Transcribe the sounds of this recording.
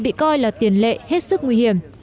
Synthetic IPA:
ɓḭ˧˨kɔ˧jlaː˨˩t̪i˨˩ənlḛ˧˨he˦˥t̚sɨ˦˥k̚ŋwi˧hi˧˩əm

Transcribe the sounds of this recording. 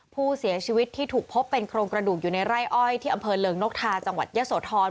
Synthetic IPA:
pʰuː˥˩si˩˦t͡ɕʰiː˧wi˦˥t̪ʰːiː˥˩t̪ʰuː˨˩k̚pʰo˦˥pːe˧nkʰɾoː˧ŋkɾa˧duː˨˩k̚juː˨˩na˧jɾa˥˩jʔɔ˥˩jt̪ʰiː˥˩ʔa˧mpʰɤː˧lɤː˧ŋno˦˥k̚t̪ʰaː˧t͡ɕa˧ŋwa̰˨˩t̪̚jaː˦˥soː˩˦t̪ʰɔː˧

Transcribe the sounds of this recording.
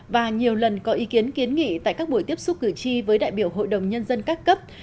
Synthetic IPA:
vaː˨˩ɲi˨˩əwlə˨˩nkɔ˨˦ʔi˨˦ki˨˦ənki˨˦ənŋḭ˧˨t̪a̰ː˧˨jkaː˦˥k̚ɓu˧˩jt̪i˦˥əp̚sʊ˦˥kɨ˧˨˩t͡ɕi˧vəː˨˦jɗa̰ː˧˨jɓi˧˩əwɦo̰˧˨jɗə˨˩wŋ͡mɲə˧nzə˧nkaː˦˥kkə˦˥p̚

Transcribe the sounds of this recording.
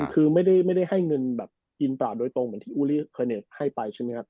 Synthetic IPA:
kʰɯː˧ma˥˩jda˥˩jma˥˩jda˥˩jha˥˩jŋɤ˧nbɛ̰ː˨˩p̚ | ʔi˧npɾaː˨˩doː˧jt̪o˧ŋmɯ˩˦nt̪ʰiː˥˩ʔuː˧˦liː˥˩kʰɤː˧neː˨˩sha˥˩jpa˧jt͡ɕʰa˥˩m˦˥˦kʰa˥˩

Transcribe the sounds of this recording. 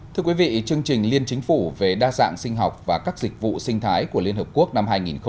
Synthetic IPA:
t̪ʰɨ˧əkwi˨˦vḭ˧˨t͡ɕɨ˧əŋt͡ɕï˨˩ŋ̟li˧ənt͡ɕï˨˦ŋ̟fu˧˩ve˨˩ɗaː˧za̰ː˧˨ŋsï˧ŋ̟ɦɔ˨˩wk͡p̚vaː˨˩kaː˦˥k̚zï˨˩k̟̚vṵ˧˨sï˧ŋt̪ʰaː˨˦jku˧˩əli˧ənhəː˨˩p̚ku˦˥ək̚na˧mɦaː˧jŋi˨˩nxə˧

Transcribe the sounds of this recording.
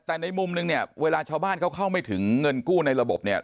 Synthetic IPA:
t̪ɛː˨˩na˧jmu˧mnɯ˧ŋni˥˩ɐweː˧laː˧t͡ɕʰaː˧wbaː˥˩nkʰwkʰa˥˩wma˥˩jt̪ʰɯ˩˦ŋːɤ˧nkuː˥˩na˧jɾa˧bo˨˩p̚ni˥˩ɐ

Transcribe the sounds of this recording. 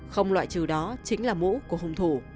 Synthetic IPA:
xə˧wŋ͡mlwa̰ː˧˨jt͡ɕɨ˨˩wɗɔ˨˦t͡ɕï˨˦ŋ̟laː˨˩mṵ˧˥ku˧˩əɦə˧wŋ͡mt̪ʰu˧˩

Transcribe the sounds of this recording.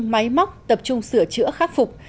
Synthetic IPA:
ma˨˦jma˦˥wk͡p̚t̪ə˨˩p̚t͡ɕʊ˧ŋ͡msɨ˧˩ət͡ɕɨ̰˧˥əxaː˦˥k̚fʊ˨˩k͡p̚

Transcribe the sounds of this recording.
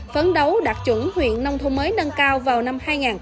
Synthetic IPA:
fə˨˦nɗə˨˦wɗaː˨˩k̚t͡ɕwə˧˩nhwḭ˧˨ənːə˧wŋ͡mt̪ʰu˧ŋ͡mməː˨˦jnə˧nkaː˧wvaː˨˩wna˧mhaː˧jŋaː˨˩n

